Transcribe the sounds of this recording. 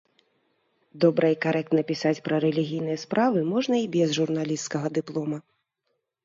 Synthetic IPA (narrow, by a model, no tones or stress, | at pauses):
d̪ɔbɾɐikaɾʔɛkt̪nɐpʲisat͡sʲpɾɐɾɛlʲiɣʲijn̪ɨjɛspɾʔavɨmɔʐnɐibʲɛzʐurn̪alʲist̪kɐɣɐd̪ɨplˠɔmɐ